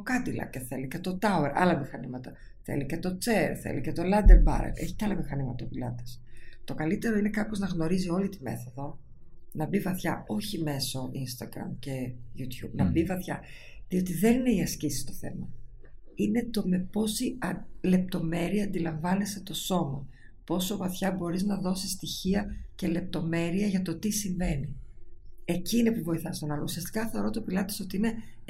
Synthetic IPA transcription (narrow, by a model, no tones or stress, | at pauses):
okɐd̪ilɐ̰ceθe̞licet̪o̞t̪ɐueɾʔɐ̰lɐmixɐnimɐt̪ɐ | θe̞̰licet̪o̞t͡seɾθḛlicet̪o̞lɐnd̪eɾbɐ̰ɾḛle̞̰çi̥ceɐlɐmixɐnimɐt̪ɐopilɐt̪e̥st̪o̞kɐlit̪e̞ɾo̞ine̞kɐpo̞znɐɣno̞ɾizio̞lit̪ime̞̰θo̞ðo̞ | nɐbivɐθçɐo̞çime̞so̞ʔinst̪ɐɡɾɐ̰mce̞jut̪çṵbnɐbivɐθçɐ | ðio̞t̪iðe̞nineiɐscisi̥st̪o̞θe̞̰mɐ | ine̞t̪o̞me̞po̞siɐle̞p̚t̪o̞me̞ɾiɐːnd̪ilɐɱvɐne̞set̪o̞so̞mɐ | po̞so̞vɐθçɐbo̞ɾiznɐðo̞sist̪içiɐce̞le̞p̚t̪o̞me̞ɾiɐʝɐt̪o̞t̪isiɱve̞ni | e̞cinipuvo̞iθɐst̪onɐlousiɐst̪i̥kɐθe̞oɾo̞t̪opilɐt̪i̥so̞t̪iine̞